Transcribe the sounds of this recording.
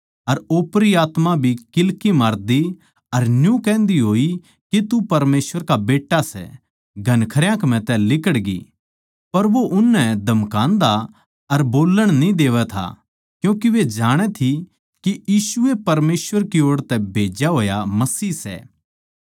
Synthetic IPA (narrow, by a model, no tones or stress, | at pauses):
ɐɾoːpɾiaːt̪mabʱikɪlkimaːɾd̪i | ɐɾnjũkɛ̃ːnd̪iɦoːi | kit̪upɐɾmeːsʋəɾkabeːʈːasɛ̰ | ɡʱɐnkʰɐɾjãkm̤ɛ̃t̪ɛlɪkəɽɡḭ | pɐɾʋoʔʊnːɛd̪ʱɐmkãːnd̪a | ɐɾboːləɽ̃nĩd̪eːʋɛt̪ʰa̰ | kjũːkiʋed͡ʒaːɽ̃ɛt̪ʰi | kijiːsʊepɐɾmeːsʋəɾkioːɽt̪ɛbʱeːd͡ʒjaɦoːjamɐsiːsɛ̰